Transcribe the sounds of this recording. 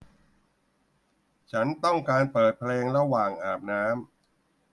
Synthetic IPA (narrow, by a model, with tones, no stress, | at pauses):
t͡ɕʰa˦˥nt̪ɔ˥˩ŋkaː˧npɤː˨˩t̪̚pʰleː˧ŋɾa˧waː˨˩ŋʔaː˨˩p̚naː˦˥m